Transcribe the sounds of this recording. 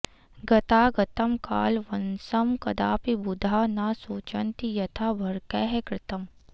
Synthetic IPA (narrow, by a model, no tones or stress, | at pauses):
ɡɐt̪aːɡɐt̪əmka̰ːlʋɐnsɐmkɐd̪aːpibʊd̪ʱaːnasoːt͡ʃɐnt̪ijɐt̪ʰaːbʱɐɾkɛːɦɛkɾɪt̪əm